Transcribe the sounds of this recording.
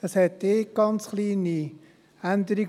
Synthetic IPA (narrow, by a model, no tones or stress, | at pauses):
d̥ɑshɛtːeːɡ̥ɑnt͡sχliːni | ænd̪əɾiɡ